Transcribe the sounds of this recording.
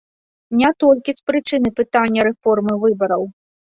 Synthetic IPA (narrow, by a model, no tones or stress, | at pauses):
nʲat̪ɔlʲkʲispɾɨt͡ʂɨnɨpɨt̪anʲːɐɾɛfɔrmɨvɨbɐɾɐw